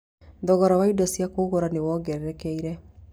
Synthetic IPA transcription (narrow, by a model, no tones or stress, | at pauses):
dɔɣɔɾawaidasjakoːɣoɾanewɔːɡɛɾɛɾɛkɛiɾɛ